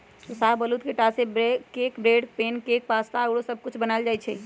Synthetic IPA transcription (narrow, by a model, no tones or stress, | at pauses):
t̪osaɦbəlut̪keʈasebekekbɾeɖpenkek̚past̪aɡɽosəb̚kut͡ʃʰbənald͡ʒajt͡ʃʰɛ̰